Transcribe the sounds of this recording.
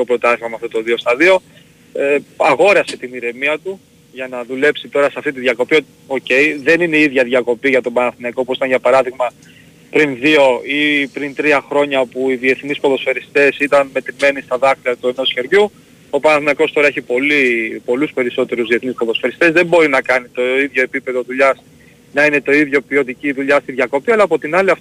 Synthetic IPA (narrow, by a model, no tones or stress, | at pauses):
o̞pɾo̞t̪ɐθimɐmɐft̪o̞t̪o̞ðio̞st̪ɐðio̞ | eɐɣo̞ɾɐset̪iniɾe̞miɐt̪u | ʝɐnɐðule̞psit̪o̞ɾɐseɐft̪it̪iðʝɐko̞pio̞t̪io̞ce̞jðe̞nineiðʝɐðʝɐko̞piʝɐt̪o̞bɐnɐθinɐkopuosit̪ɐnʝjɐpɐɾɐðiɣmɐ | pɾinðio̞ipɾint̪ɾiɐxɾo̞ɲɐpuiðie̞θnispoðo̞sfe̞ɾist̪e̞sit̪ɐnme̞t̪ɾime̞nist̪ɐðɐxt̪iɐt̪ue̞no̞sçe̞ɾʝu | o̞pɐnɐθinɐko̞st̪o̞ɾɐeçipo̞lipo̞luspe̞ɾiso̞t̪e̞ɾuzðie̞θnispoðo̞sfe̞ɾist̪e̞zðe̞mbo̞ɾinɐkɐnit̪o̞iðʝo̞e̞pipe̞ðoðuʎɐs | nɐine̞t̪o̞iðʝo̞pio̞t̪iciðuʎɐst̪iðʝɐko̞piɐlɐːpo̞t̪inɐliɐft̪